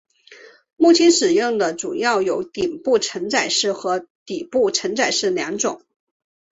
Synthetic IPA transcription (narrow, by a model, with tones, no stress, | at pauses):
mu˥˩t͡ɕʰi˥nʂɻ̩˨˩jʊ˥˩ŋd̪ə˩ʈ͡ʂu˨˩jɑ˥˩ʊjo˧˥ʊt̪i˨˩ŋpu˥˩ʈ͡ʂʰə˧˥ŋt͡sa˨˩ɪʂɻ̩˥˩xɤ˧˥t̪i˨˩pu˥˩ʈ͡ʂʰə˧˥ŋt͡sa˨˩ɪʂɻ̩˥˩ljɑ˧˥ŋʈ͡ʂʊ˨˩˦ŋ